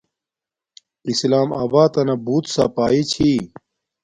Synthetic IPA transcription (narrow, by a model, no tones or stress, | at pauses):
islaːma̰ːbaːt̪ɐnɐbuːt̪sapaːit͡ɕʰi